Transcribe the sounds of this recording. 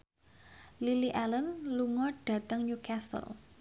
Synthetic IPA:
liliʔalənluŋɔɖ̥ä̤t̪əŋɲukʰasə̰l

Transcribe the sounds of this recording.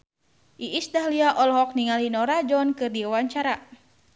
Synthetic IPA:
ʔiʔisdaɦliaʔɔlɔɦɔk̚niŋalinɔɾad͡ʒɔnkɨrdiawaɲt͡ʃaɾa

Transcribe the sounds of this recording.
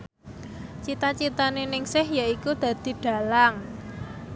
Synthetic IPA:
t͡ʃit̪at͡ʃit̪anenɪŋsɪhjaikud̪̥ä̤d̪̥i̤ɖ̥a̤laŋ

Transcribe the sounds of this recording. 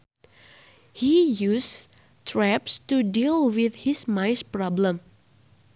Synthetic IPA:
hijus | tʰɹɛpstudilwɪθhismajspɹɔblə̃m

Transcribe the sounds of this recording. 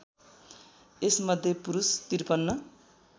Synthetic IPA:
esmʌd̪ʱjepuɾust̪irpʌnːʌ

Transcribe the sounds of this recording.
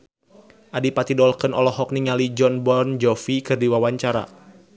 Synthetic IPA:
ʔadipat̪idɔlkənɔ̰lɔɦɔk̚niŋalid͡ʒɔnbɔnd͡ʒɔfikɨrdiwawaɲt͡ʃaɾa̰

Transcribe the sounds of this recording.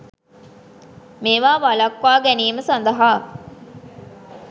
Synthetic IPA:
meːʋaːʋalɐkʋaːɡæniːməsand̪ɐɦaː

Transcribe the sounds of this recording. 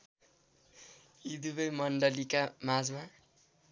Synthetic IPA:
id̪ubʌjmʌɳɖʌlikamad͡zma

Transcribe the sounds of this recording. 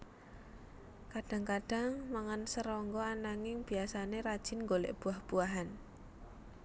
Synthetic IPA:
kaɖ̥a̤ŋkaɖ̥a̤ŋmaŋansəɾɔŋɡɔanaŋɪŋb̥i̤asaneɾad̥ʒ̥ɪ̤nŋɡolɛ̰ʔb̥uahb̥uaɦan

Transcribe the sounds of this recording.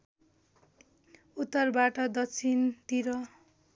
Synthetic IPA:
ut̪ːʌrbaʈʌd̪ʌkt͡sʰint̪iɾʌ

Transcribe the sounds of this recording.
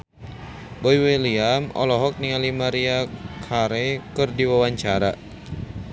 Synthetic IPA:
boiweliamɔ̰lɔɦɔk̚niŋalimaɾiakʰaɾekɨrdiwawaɲt͡ʃaɾa

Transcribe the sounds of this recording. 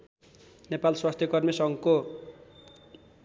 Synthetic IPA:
nepalswast̪ʰjʌkʌrmisʌŋko

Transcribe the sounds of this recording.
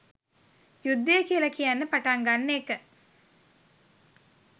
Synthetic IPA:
jud̪ːejəkiəlakijanːəpaʈaŋɡanːəekə

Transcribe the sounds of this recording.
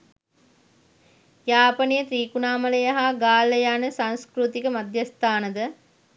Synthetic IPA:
jaːpɐnijət̪ɾiːkunaːmɐləjɐɦaɡaːləjaːnəsaŋskɾut̪ikəmad̪ʱjɐst̪aːnəd̪ə

